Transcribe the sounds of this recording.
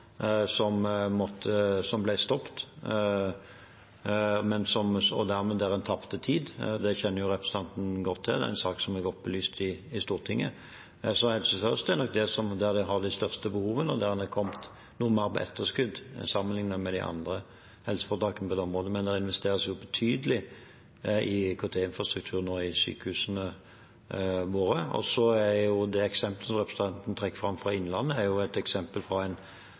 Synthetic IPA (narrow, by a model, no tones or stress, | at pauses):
sɔmmɔt̪ʰːəsɔmblæɪst̪ɔpt̪ | mɛnsɔmɔ̰d̪æʁmɛd̪æʁɛnt̪ʰɑpt̪ət̪ʰiːd̪d̪ɛçɛnːəjʊʁɛpʁəsə̥t̪ɑnt̪n̩ɡɔt̪ʰːɪld̪ɛ̰ɛ̰ɪnsɑːksɔmæɡɔt̪̚ːbəlyːst̪ɪɪst̪uːʁt̪ʰɪŋːə̰ | sɔhɛlsəfœʁəst̪ɛɾnɔk̚d̪ɛsɔmd̪æɾd̪ɛɦɑʁd̪æɪst̪œʁst̪əbəhuːʋənɔd̪æɾɛnɛkʰɔmt̪ | nuːmɑɾpɛ̰ʔɛ̰t̪ːəskʉd̪sɑmənlɪŋnəmɛd̪ɪ̰ʔɑ̰nd̪ɾə | hɛlsə̥fɔʁt̪ɑːkənəpɔd̪ɛɔmʁoːd̪əmɛnd̪ɛɾɪnʋɛst̪eːɾəsjʊbɛt̪ʰyːd̪əlɪ | ɪkʰot̪ʰeːɪnfɾɑst̪ɾʉk̚t̪ʰʉːɾənɔɪsy̰ːkəhʉːsənə | ʋoːɾəɔ̰sɔæɾjʊd̪ɛɛksɛmpləsɔmʁɛpʰɾəsət̪ʰɑnt̪n̩t̪ʰɾɛkːəfɾɑmːfɾɑɪnlɑnːəæɾjʊæt̪ɛksɛmpəlfɾɑæɪn